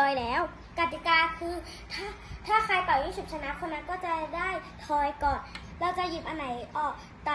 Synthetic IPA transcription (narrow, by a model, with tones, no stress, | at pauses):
ɔː˧lɛː˦˥w | ka˨˩t̪i˨˩kaː˧kʰɯː˧ | t̪ʰaː˥˩t̪ʰaː˥˩kʰɾa˧jp̪a˨˩whiː˥˩su˨˩p̚t͡ɕʰa˧na˦˥kʰo˧na˦˧˥nkɔː˥˩t͡ɕa˨˩daː˥˩jt̪ʰɔː˧jkɔː˨˩n | ɾɛː˧˦˥wt͡ɕa˨˩ji˨˩p̚ʔa˧na˩˦jʔɔː˨˩k̚ | t̪a˧